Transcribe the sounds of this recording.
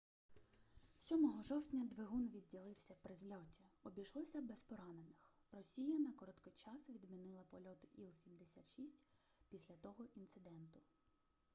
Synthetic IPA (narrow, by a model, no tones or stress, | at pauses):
sʲɔmɔɦɔʒɔwtʲnʲɐd̪ʋeɦunʋʲidʲːilˠɪwsʲɐpɾɪzlʲɔtʲiɔbʲijʃlˠɔsʲɐbespɔɾɑnenɪx | rɔsʲijɐnɐkɔɾɔt̪kɔt͡ʃɑsʋʲid̪minɪlˠɐpɔlʲɔt̪ɪʔilˠsʲimd̪esʲa̰t̪ʃisʲtʲ | pʲisʲlʲɐt̪ɔɦɔʔint̪sɪd̪ɛnt̪ʊ